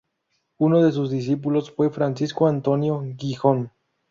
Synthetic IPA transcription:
unoðes̬uzðis̬ipulosfwe̞fɾansiskoant̪onjoɡixon

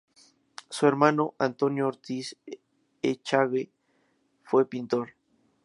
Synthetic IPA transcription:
sueɾmanoʔant̪onjoːɾt̪is | et͡ʃaɣe | fwepint̪oɾ

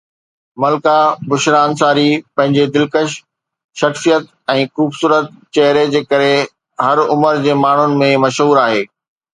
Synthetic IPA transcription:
mɐlkabʊʃɾaːnsaːɾipɐ̃ɦɪ̃ɲd͡ʑed̪ɪlkəʃ | ʃɐxsijət̪ | ɛ̃ːxuːbsuːɾət̪̚t͡ɕɐɦɾed͡ʑeːkɐɾe | ɦɐɾʊməɾd͡ʑeːmaːɳ̤ʊnɪ̆mẽmɐʃɦuːɾaːɦeː

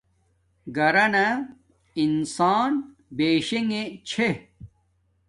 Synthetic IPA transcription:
ɡɐɾɐnɐ | insaːn | beːɕeŋet͡ɕʰe

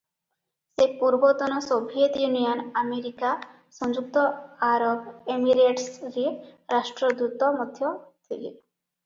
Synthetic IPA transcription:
sepuɾbɔt̪ɔnɔsobʱiet̪junijɔnameɾika | sɔŋd͡ʒuk̚t̪ɔaɾɔbemiɾeʈsɾiɾasʈɾɔd̪ut̪ɔmɔd̪ʱjɔt̪ʰilḭ

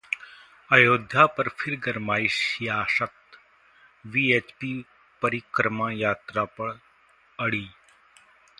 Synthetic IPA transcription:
ajoːd̪ʱjapɐɾfʰɪɾɡɐɾmaːiʃjaːʃɐt̪ | ʋiet͡ʃpiː | pɐɾikɾɐmajaːt̪ɾapɐɽ | ɐɽiː

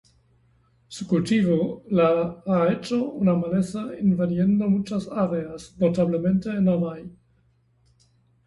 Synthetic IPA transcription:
sukult̪ivolaaet͡ʃounamalesainvaljend̪omut͡ʃasaɾeasnot̪aβlement̪eːnanaj

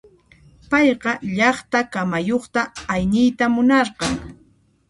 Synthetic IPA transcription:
pɑjqɑʎɑχt̪akamajoχt̪aːjnɪjt̪amʊnɑɾɢɑŋ

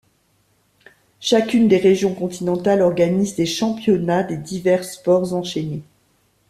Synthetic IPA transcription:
ʃakʲynd̪eʁeʒjɔ̃kɔ̃t̪inɑ̃t̪alɔʁɡanizd̪eʃɑ̃pjɔnad̪ed̪ivɛʁspɔʁzɑ̃ʃene

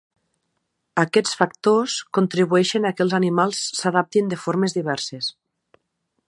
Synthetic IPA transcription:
akɛt͡sfak̚t̪oskont̪ɾiβuɛʃenakelˠzanimalˠsːaðap̚t̪ind̪efoɾmezðiβɛɾses

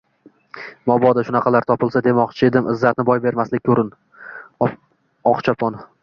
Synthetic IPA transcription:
mɒbɒd̪aʃʊnɑqʰɑlaɾt̪ʰɒpɪlˠsad̪e̞mɒqt͡ʃʰɪed̪ɪmɪ̰zːat̪̚nɪbɒjbe̞ɾmaslɪkʲkʰːɵɾɪn | ɒqt͡ʃʰapʰɒn

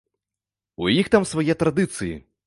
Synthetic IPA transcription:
ujixt̪amsvajɛt̪ɾad̪ɨt̪sɨjḭ

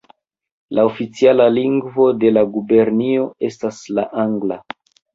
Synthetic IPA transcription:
laofit͡sialaliŋɡvo̞de̞laɡube̞ɾnio̞e̞staslaʔaŋɡla

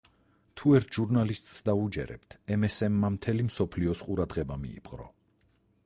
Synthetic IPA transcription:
t̪ʰuɛɾt̪ʰʒ̥uɾnalist̪ʼsd̪aud͡ʒɛ̰ɾɛ̰pt̪ʰɛmɛsɛmːamt̪ʰɛlimsɔpʰliɔsqʼuɾad̪ʁɛbamḭḭpʼqʼɾɔ̰

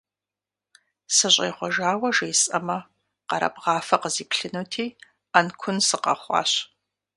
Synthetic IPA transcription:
sɨɕʼḛːχʷɔʒaːwɐʒeːsʼɐmɐ | qɐɾɐ̰bʁɑːfɐqəziːpɬɨnuːtʰiː | ankʷʰʊnsɨqɐ̰χʷɑ̰ːɕ

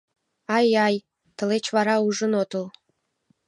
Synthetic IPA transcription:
ɑjɑj | t̪ə̆let͡ɕβɑɾɑuʒə̆not̪əl

